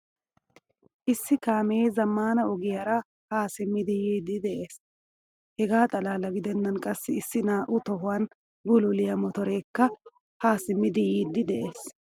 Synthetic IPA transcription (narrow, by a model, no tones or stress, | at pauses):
ʔɪsːɪkaːmeːzɐmːaːnɐɔɡɪjɐɾɐ | haːsɪmːɪd̪ɪjiːd̪ɪd̪ɛʔe̞ːs | hɛɡaːt̪ʼɐlaːlɐɡɪd̪ɛnːɐnkʼɐsːɪɪsːɪnaːʔʊt̪ɔɦʊwɐn | bʊlʊlɪjɐmɔt̪ɔɾe̞ːkːɐ | haːsɪmːɪd̪ɪjiːd̪ːɪd̪ɛʔe̞ːs